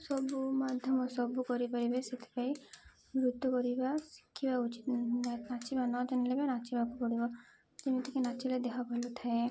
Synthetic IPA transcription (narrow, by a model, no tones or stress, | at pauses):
sɔbumɔd̪ʱjɔmɔsɔbukɔɾipaɾibeset̪ʰi̥pai | mɾut̪ːukɔɾibasi̥kʰːibaut͡ʃit̪nnat͡ʃʰibanɔd͡ʒanilebenat͡ʃibakukɔɽibɔ | d͡ʒemit̪ikenat͡ʃʰiled̪ekʰabɔlɔt̪ʰae